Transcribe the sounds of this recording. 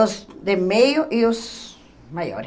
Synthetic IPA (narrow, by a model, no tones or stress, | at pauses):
osd̪emejoʔios | majo̰ɾ